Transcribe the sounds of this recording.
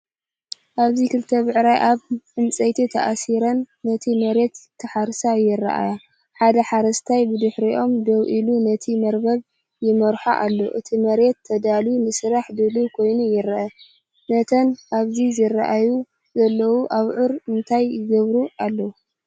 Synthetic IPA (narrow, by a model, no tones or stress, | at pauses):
ʔaβzikʰɨlt̪ʰɐβʕɾajʔaβħɨnt͡sʼɐjt̪ʰit̪ʰɐ̰ʔasiɾɐnːɐt̪ʰimɐɾe̞t̪ʰːɐħaɾsajɪrːa̰ʔa̰ja | ħad̪ɐħaɾɐst̪ʰajbɨd̪ɨħɾiʔo̞md̪ɐwʔilunɐt̪ʰimɐɾbɐβ | jɪmɐɾħa̰ʔa̰lːo̰ʔɨt̪ʰimɐɾe̞t̪ʰːɐd̪alunɨsɨɾaħd̪ɨlukʰo̞jnujɪɾɐʔɐ | nɐt̪ʰɐnʔaβzizɨraʔaju | zɐlːɐwuʔaβʕɨɾɨnt̪ʰajːɪɡɐβɾuʔalːɐwu